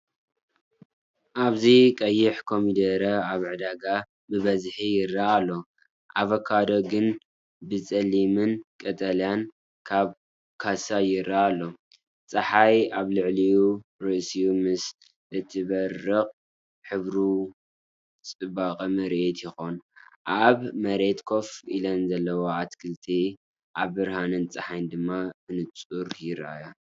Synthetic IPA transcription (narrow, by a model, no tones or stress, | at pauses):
ʔaβzikʼɐjːɪħkʰo̞mid̪ɐɾɐaβʕɨd̪aɡa | bɨβɐzħijɪɾːaːlːo̞ | ʔaβɐkʰad̪o̞ɡɨn | bɨt͡sʼɐlimɨnkʼɐt̪ʼɐlijan | kʰaβ | kʰasajɪɾːaːlːo̞ | t͡sʼɐħajaβlɨʕlijuɾɨʔsijumɨs | ʔɨt̪ʰɨβɐrːɨχʼ | ħɨβɾu | t͡sʼɨbaqʼɐmɐɾʔet̪jɪxo̞nʔaβmɐɾe̞t̪kʰo̞fʔḭlɐnzɐlːɐwoat̪kʰɨlt̪ʰi | ʔaβːɨɾhanɨnt͡sʼɐħajnd̪ɨmːaɨnɨt͡sʼuɾjɪɾʔa̰ja